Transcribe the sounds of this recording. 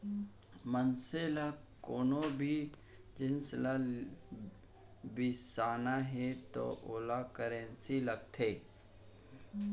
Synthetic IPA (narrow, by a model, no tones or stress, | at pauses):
mənsela | koːnobʱi | d͡ʒɪnsla | bɪsaːnaɦɛt̪o̰ʔoːlakəɾẽnsiləɡ̚t̪ʰeː